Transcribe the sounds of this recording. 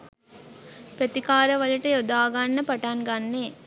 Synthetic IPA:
pɾɐt̪ikaːɾɐʋɐlɐʈːɐjɔd̪aːɡaːnːɐpɐʈːaːnɡaːnːeː

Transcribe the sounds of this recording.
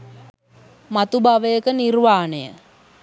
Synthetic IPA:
mat̪ubaʋəjəkənirʋaːnəjə̰

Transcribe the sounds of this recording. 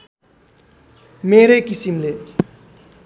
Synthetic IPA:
meɾʌkisimle

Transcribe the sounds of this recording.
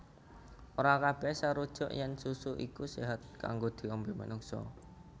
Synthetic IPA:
ʔoɾakab̥ɛhsaɾud̥ʒ̥ɔ̤ʔjɛnsusuʔikuseɦat̪̚ka̰ŋɡod̪̥i̤ɔmbema̰nuŋsɔ̰

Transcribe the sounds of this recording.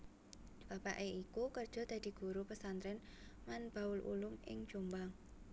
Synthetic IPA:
b̥a̤pa̰ʔeikukərd̥ʒ̥ɔ̤d̪̥ä̤d̪̥i̤ɡ̥uɾupəsant̪ɾɛnmanb̥ä̤ʊlʔṵlʊmɪ̰ŋ̥ʒ̥ombaŋ

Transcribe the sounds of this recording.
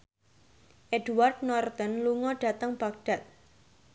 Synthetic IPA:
ʔed̥uwart̪̚nɔrt̪ənluŋɔɖ̥a̤t̪əŋb̥aɡ̚ɖ̥a̤t̪̚

